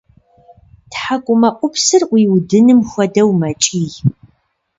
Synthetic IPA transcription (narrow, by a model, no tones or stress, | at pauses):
tħakʷʼʊmɐʔʷʼʊpʰsɨrʔʷiːwdɨnɨmxʷɔdɐwmɐt͡ʃʼiːj